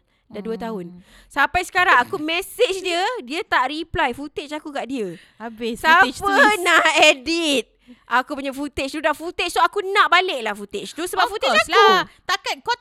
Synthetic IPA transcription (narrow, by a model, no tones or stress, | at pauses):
daduət̪aɦʊn | sapajsə̥kaɾaŋakumɛsɪt͡ʃdiədiət̪aʔriplajfut̪et͡ʃakukaʔdiə | abɪsat͡ʃpənaʔɛdit̪̚ | ʔakupuɲafut̪et͡ʃt̪udaʔfut̪et͡ʃsoakunãʔbaleʔ̚lahfut̪et͡ʃt̪usəbap̚fut̪et͡ʃat̪akat̪̚ko